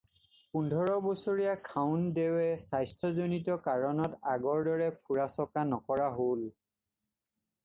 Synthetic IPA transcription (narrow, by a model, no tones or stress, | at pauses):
pundʱɔɹɔbosoɹijakʰaʊndewɛsajstʰɔzonitɔkaɹɔnɔtaɡɔɹdɔɹɛpʰuɹasɔkanɔkɔɹaɦol